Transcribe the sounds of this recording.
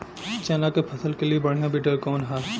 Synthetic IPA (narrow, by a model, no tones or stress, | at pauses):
t͡ʃɛːnakepʰɐsəlkeliebɐɽ̤nabiʈəɾkɔːnɦɛː